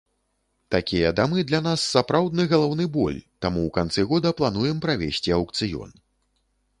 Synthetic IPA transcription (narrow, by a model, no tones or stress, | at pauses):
t̪akʲijɐd̪amɨd̪lʲanasːapɾawd̪̚nɨɣɐlˠawnɨbɔ̰lʲt̪amuwkant̪sɨɣɔd̪ɐplˠanujɛmpɾavʲesʲt͡sʲiɐwkt̪sɨjɔ̰n